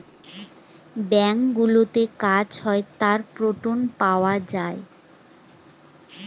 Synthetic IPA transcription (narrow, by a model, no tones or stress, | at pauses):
bɛŋkɡulot̪ekad͡ʑhɔet̪aɾpɾoʈonpaoad͡ʑae